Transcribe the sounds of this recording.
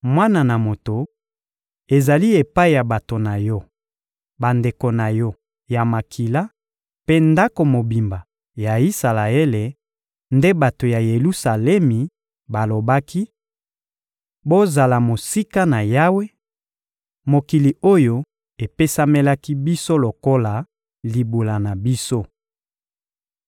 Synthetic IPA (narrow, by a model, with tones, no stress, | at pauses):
mwa˦na˨na˨mo˨to˨ | e˨za˨li˦e˨pa˦i˨ja˨ba˨to˨na˨jɔ˦ | ba˨nde˨ko˨na˨jɔ˦ | ja˨ma˨kʰi˨la˦ | pe˦nda˦ko˨mo˨bi˨mba˨ | ja˨i˦sa˨la˨e˦le˨ | nde˦ba˨to˨ja˨je˨lu˦sa˨lɛ˦mi˨ | ba˨lo˨ba˦ki˦ | bo˦za˨la˨mo˨si˦ka˦na˨ja˦we˦ | mo˨ki˨li˨o˦jo˦ | e˨pe˦sa˦me˦la˦ki˦bi˦so˦lo˨ko˦la˨ | li˨bu˨la˨na˨bi˦so˦